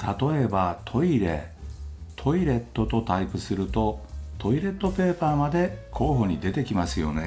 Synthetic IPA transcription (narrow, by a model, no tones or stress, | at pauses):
t̪at̪o̞e̞bat̪ʰo̞iɾḛ | t̪ʰo̞iɾe̞t̪ːo̞t̪o̞t̪aipɯ̟sɨɾɯ̟t̪o̞t̪ʰo̞iɾe̞t̪ːo̞pe̞ːpaːmad̪e̞kʰo̞ːɦo̞ɲ̟id̪e̞t̪e̞kʲimasɨjo̞̰ne